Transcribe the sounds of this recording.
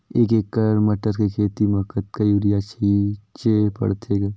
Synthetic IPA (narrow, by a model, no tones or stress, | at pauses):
ekekːɐɾmɐʈəɾkekʰeːt̪imɐkət̪kajuɾijat͡ʃʰɐit͡ʃeːpɐ̰ɽt̪ʰeɡe